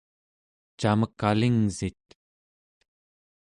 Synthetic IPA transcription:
t͡ʃaməkːaliŋzit̪̚

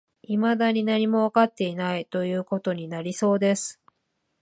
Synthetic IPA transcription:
imad̪aɲ̟inaɲ̟imo̞βakat̪ːe̞inait̪o̞jɯ̟ːko̞t̪o̞ɲ̟inaɾʲiso̞ːd̪e̞sɨ̥

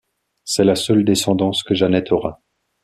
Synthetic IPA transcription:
sɛlasœld̪esɑ̃d̪ɑ̃skəʒanɛt̪ʰɔʁa

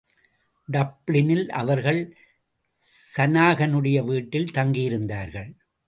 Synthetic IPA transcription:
ɖɐpɭɪnɪlʔɐ̰ʋɐɾɣɐɭ | sɐnaːɣɐnɯɽɐjɐʋiːʈːɪlt̪ɐŋɡijɪɾɯnd̪aːɾɣɐɭ

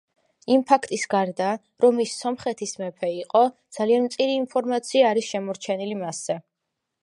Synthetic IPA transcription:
impʰakʰt̪ʼisɡaɾd̪a | ɾɔmisːɔmχɛt̪ʰismɛpʰɛiqʼɔd̪z̥alianmt̪sʼiɾiːnpʰɔɾmat̪sʰiaːɾisʃɛmɔɾt͡ʃʰɛnilimasːɛ

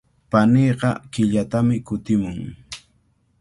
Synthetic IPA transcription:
paneːɢɑ̰kɪʎat̪amɪkʊt̪ɪmʊŋ

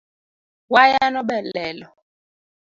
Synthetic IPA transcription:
wajanɔɓɛlɛːlɔ

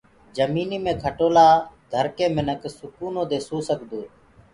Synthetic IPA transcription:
d͡ʒəmiːniːmẽːkʰəʈoːlaːd̪ʱəɾkẽːmɪnəksʊkuːnõːd̪eːsoːsəkd̪oː

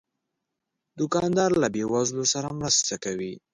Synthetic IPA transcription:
d̪ʊkɑnd̪ɑɾlabewazlosaɾamɾəst̪akawi

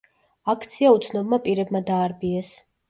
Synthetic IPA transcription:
akʰt̪sʰiaut̪sʰnɔbmapʼiɾɛbmad̪aːɾbiɛs

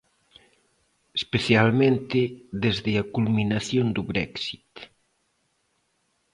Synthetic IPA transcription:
espeθjalmẽnt̪ɪðezðɪɐkulminaθjond̪ʊβɾɛ̰ksit̪

